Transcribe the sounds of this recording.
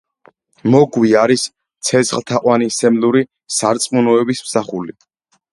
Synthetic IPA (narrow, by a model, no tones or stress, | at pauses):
mɔɡwiaɾis | t̪sʰɛt̪sχlˠt̪ʰaqʼwanisɛmluɾi | saɾt̪sʼmunɔɛbismsaχuli